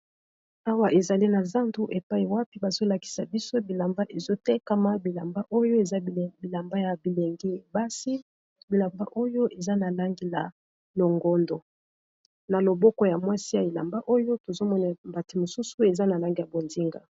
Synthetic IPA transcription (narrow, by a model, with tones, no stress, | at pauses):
a˦wa˦ʔe˨za˨li˦na˨za˦ntu˦ʔe˨pa˦i˨wa˦pi˦ba˨zo˦la˨ki̥˨sa˨bi˦so˦bi˨la˨mba˦ʔe˨zo˦tɛ˦ka˦ma˦bi˨la˨mba˦ʔo˦jo˦e˨za˦˨bi˨la˨mba˦ja˨bi˨le˨ŋɡi˦˨ba˦si˦ | bi˨la˨mba˦ʔo˦jo˦ʔe˨za˦na˨la˦ŋɡi˦la̰˨ | lo˨ŋɡɔ˦ndo˨ | na˨lo˨bɔ˦kɔ˦ja˨mwa˦si˦ja˨i˨la̰˨mba˦ʔo˦jo˦to˨zo˦mɔ˦na˨mba˨ti˨mo˨su˦su˦e˨za˦na˨la˦ŋɡi˦ja˨bo˨ndi˦ŋɡa̰˨